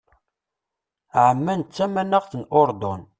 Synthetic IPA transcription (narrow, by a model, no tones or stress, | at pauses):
ʕəmːænt͡sːæmænəʁθənʔʊɾd̪ʊn